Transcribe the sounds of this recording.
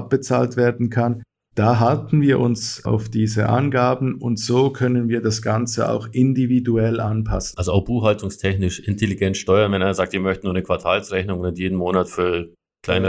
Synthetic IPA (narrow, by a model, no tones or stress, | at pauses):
p̚b̥ət͡sa̰ːltv̥eːɐdn̩kʰan | d̥aːɦaltn̩viːɐʔʊ̰nsʔa̰ʊfd̥iːzə̰ʔa̰nɡaːbn̩ʊntz̥oːkʰœnənviːɐdasɡ̥ant͡səa̰ʊxɪndividuɛlʔanpʰa̰sn̩alzoaʊxb̥uːxhaltʰʊŋstʰɛçnɪʃʔɪntʰeliɡɛntʃtɔʏɐnvɛnʔaɪnɐzaːk̚timœçtənuːɐnəkʰv̥aɐtʰaːlsʁɛçnʊŋnatjeːdn̩moːnatfyːɐ | kʰl̥aɪnə